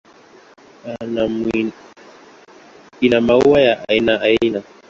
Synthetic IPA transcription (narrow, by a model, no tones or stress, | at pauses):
anami | inamauwajaʔainaaina